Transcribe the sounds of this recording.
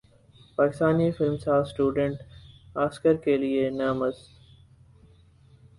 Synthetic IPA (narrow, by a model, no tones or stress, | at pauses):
paːkɪst̪aːnifɪlmsaːsʈuːɖə̃ɳʈaːskəɾkelienɐːməz